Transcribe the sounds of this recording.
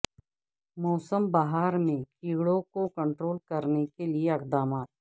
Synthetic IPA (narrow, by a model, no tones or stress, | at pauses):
mɔːsəmbaɦaːɾmẽkiːɡɽõkokɐ̃ɳʈɾoːlkɐɾnekelieɐqd̪aːmaːt̪̚